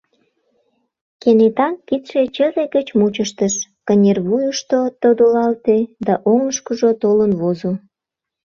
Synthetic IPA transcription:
kenet̪ɑnkit̪ʃet͡ɕəzeɡət͡ɕmut͡ɕəʃt̪əʃkənʲerβujuʃt̪ot̪od̪olɑlt̪ed̪ɑʔoŋəʃkəʒot̪olənβozo

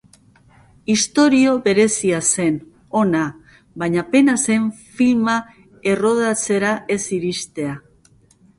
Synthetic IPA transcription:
ist̪o̞ɾio̞βe̞ɾe̞siase̞n | o̞na | βaɲape̞nase̞ɱfilma | e̞ro̞ðat͡se̞ɾaʔe̞siɾist̪e̞a

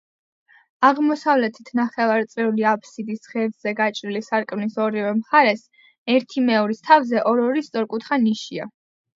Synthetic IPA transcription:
aʁmɔsavlɛt̪ʰit̪ʰnaχɛvaɾt̪sʼɾɛuliapʰsid̪isʁɛɾd̪zɛɡat͡ʃʼɾilisaɾkʼvnisɔɾivɛmχaɾɛs | ɛɾt̪ʰimɛɔɾist̪ʰavzɛʔɔɾɔɾist̪sʼɔɾkʼut̪ʰχaniʃia̰

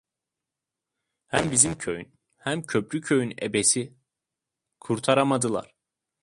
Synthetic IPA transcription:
hæmbizimcʰø̰jy̰n | hæmcʰø̞pʰɾycʰø̞jynḛbesi | kʰuɾt̪ʰaɾamad̪ɯlˠa̰ɾ̥

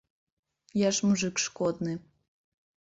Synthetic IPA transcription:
jaʃmuʐɨkʂkɔd̪̚nɨ

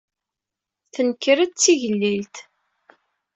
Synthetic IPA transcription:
θənkːəɾəd̪t͡sːiʝəlːilt̪

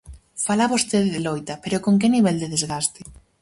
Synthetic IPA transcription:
falaβost̪eðɪðelojt̪ɐpeɾokoŋkɪniβɛld̪eðezɣast̪ɪ̥

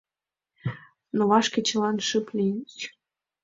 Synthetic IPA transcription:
novɑʃkĕt͡ɕə̆lɑnʃɨplʲinʲt͡ɕ

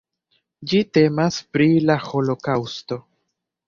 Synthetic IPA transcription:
d͡ʒite̞maspɾilaho̞lo̞kawsto̞

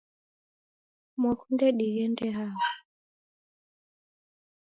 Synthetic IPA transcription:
mwakundɛɗiɣɛndɛɦaa

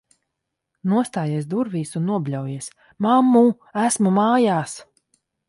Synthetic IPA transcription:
nuɔst̪aːjeɛs̬d̪uɾviːsunːuɔblʲawjiɛs | mamːu | æsmumaːjaːs

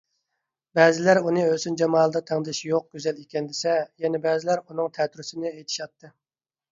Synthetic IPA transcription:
bɛːzɪlæɾunɨøsynd͡ʒɛmɑːlˠd̪ɑt̪ʰɛŋd̪ɪʃjoq̚ɡʲyzɛlikʲʰɛnd̪ɪsɛjɛnɛbɛːzɪlæɾunɨŋt̪ʰɛt̪ʰɾysɪnɪejt̪ʰɪ̥ʃɑt̪ʰːɨ

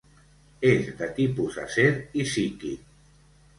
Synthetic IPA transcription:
ezd̪at̪ipuza̰seɾisiki

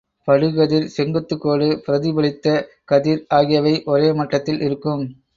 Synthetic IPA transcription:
pɐɽɯɣɐðɪlsɛŋɡɐt̪ːɯkːoːlɯpɪɾɐðɪbɐɭɪt̪ːɐ | kɐðiːɾaːɣɪjɐʋɐɪʔɔɾeːmɐʈːɐt̪ːɪlʔɪɾɯkːɯm

